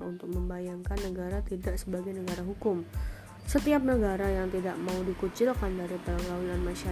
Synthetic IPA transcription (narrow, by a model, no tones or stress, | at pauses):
unt̪ʊk̚məmbajaŋkanːəɡaɾat̪idaʔsəbaɡajnəɡaɾaɦukʊm | sət̪iap̚nəɡaɾajaŋt̪idaʔmaudikut͡ʃɪlkandaɾipəlaulanmaʃa